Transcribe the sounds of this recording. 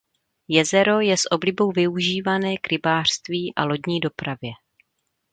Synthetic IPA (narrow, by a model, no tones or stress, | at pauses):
jɛzɛɾo̞jɛsʔo̞blɪbo̞wvɪuʒiːvanɛːkɾɪbaːr̥st̪viːʔalo̞ɟɲiːdo̞pɾavjɛ